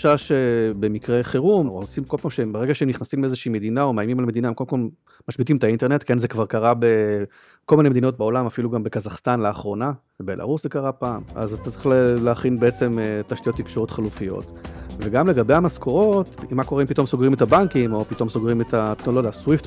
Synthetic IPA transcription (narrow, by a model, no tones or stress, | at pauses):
ʃaʃebe̞mikʁeχeʁumosimkolpaːmʃembeʁeɡaʃeemniχnasimbeezeʃiːme̞d̪inao̞maːjmimalmed̪inaemkodemkol | maʃbit̪̬imetainte̞ʁnet̪ke̞nzekvaʁkaʁabe̞ | ko̞lminemed̪ino̞t̚beo̞lamafiluɡambe̞kazaχst̪anleaχʁo̞na | ebe̞lʔa̰ʁuszekaʁapaːma̰zat̪att͡se̥lleaχinbeet͡se̞mtaʃtijo̞t̪ːikʃoʁo̞t̪χalufijo̞̰t | veɡamle̞ɡabejamaskʰo̞ʁoo̞timːako̞ʁempit̪o̞mso̞ɡʁimetabaŋkimo̞pit̪o̞msoɡʁimetʰapitomlodeaswift